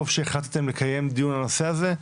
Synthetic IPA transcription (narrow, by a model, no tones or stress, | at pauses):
ovʃeːχat̪at̪e̞mle̞kaje̞md̪ijunano̞se̞aze̞